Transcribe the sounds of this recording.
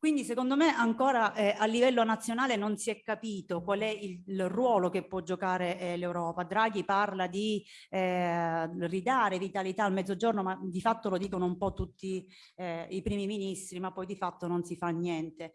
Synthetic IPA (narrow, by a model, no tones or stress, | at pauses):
kwind̪isekond̪omeʔaŋkoːɾaʔɛalːivɛlːonat̪sːjonaːlenonsiɛkːapiːt̪okwalɛilrwɔːlokepːwɔd͡ʒokaːɾelewɾɔːpad̪ɾaɡiparlad̪i | ɛ | rid̪aːɾevit̪alit̪aːlmɛd̪ːod͡ʒornomad̪ifat̪ːolod̪iːkonoumpɔt̪ːut̪ːi | ipɾiːmiminist̪ɾimapːɔjd̪ifat̪ːononsifanːjɛnt̪e